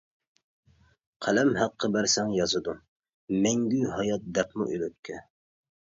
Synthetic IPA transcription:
qʰælɛmhæqʰːəbæɾsɛŋjɑzɨd̪u | mɛŋɡʲyhɑjɑt̪̚d̪ɛpmʊ̰ʔyløt̪̚kʲʰːɛ

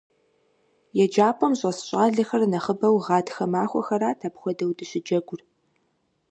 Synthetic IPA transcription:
jɛd͡ʒaːpʰʷʼɔmɕʼɐsɕʼaːɮɐxɐrnɐχəbɐwʁɑːtxɐmaːxʷɔxɐɾaːtʰaːpxʷɔdɐwdɨɕɪd͡ʒɐɡʷʊr

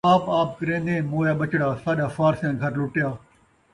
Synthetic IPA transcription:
aːpaːp̚kəɾẽːnd̪ẽːmoːjaːɓət͡ʃɽaːsaːɗaːfaːɾsjãːɡʱəɾlʊʈjaː

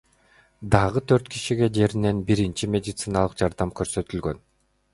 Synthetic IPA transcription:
d̪ɑʁɯt̪ʰøɾt̪kʰiʃiɡe̞d͡ʒe̞ɾine̞nbiɾint͡ʃimʲe̞dʲɪt̪sɨnɑlˠɯqd͡ʒɑɾd̪ɑmkøɾsø̞t̪ylɡø̞n

